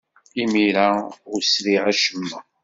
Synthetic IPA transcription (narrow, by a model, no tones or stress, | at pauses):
imiɾaʊɾsɾiʕaʃəmːə